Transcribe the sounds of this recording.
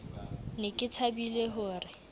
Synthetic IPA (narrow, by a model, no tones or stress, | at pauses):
nɪkʼɪt͡sʰabileɦʊːrɪ